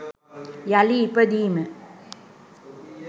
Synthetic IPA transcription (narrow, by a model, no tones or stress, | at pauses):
jaliːpːəd̪iːmə